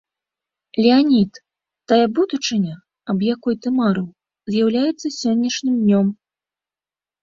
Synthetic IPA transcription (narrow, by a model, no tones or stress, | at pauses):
lʲianʲit̪ː | ajɐbud̪ut͡ʂɨnʲɐ | ɐbjakɔjt̪ɨmaɾɨw | zʲjawlʲajɛt̪sːɐsʲɔnʲːɐʂnʲɨmd̪ʲnʲɔm